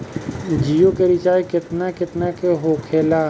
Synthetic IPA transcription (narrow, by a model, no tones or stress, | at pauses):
d͡ʒiːjokeɾit͡ʃaːjkɪt̪nakɪt̪nakeɦoːkʰeːlaː